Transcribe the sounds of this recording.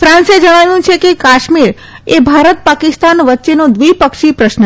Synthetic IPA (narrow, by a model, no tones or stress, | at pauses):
fɾãnsed͡ʒəɽ̃aʋjũt͡ʃʰekekaʃmiɾ | ebʱaɾət̪̚pakɪst̪anʋətːʃenod̪ʋipəkʃipɾəʃnə